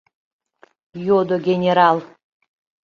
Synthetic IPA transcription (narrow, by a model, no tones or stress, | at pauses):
jod̪oɡʲenʲeɾɑlˠ